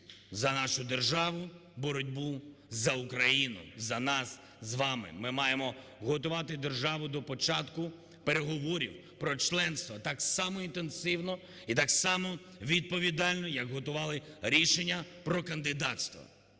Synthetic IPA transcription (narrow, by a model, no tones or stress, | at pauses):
zɐnɑʃʊd̪erʒɑʋʊbɔɾɔdʲbuzɐʊkɾɐjinʊ̰zɐnɑs | zʋɑmɪ̰mɪmɑjemɔɦɔt̪ʊʋɑt̪ɪd̪erʒɑʋʊd̪ɔpɔt͡ʃɑt̪kʊ | pe̞ɾeɦɔʋɔɾʲḭw | pɾɔt͡ʃlˠɛnst̪ʋɐt̪ɑksɑmɔint̪ensɪwnɔ | it̪ɑksɑmɔ | ʋʲid̪̚pɔʋʲid̪ɑlʲnɔjɐɡɦɔt̪ʊʋɑlˠɪɾʲiʃenʲːɐpɾɔkɐnd̪ɪd̪ɑt̪ʲst̪ʋɐ̰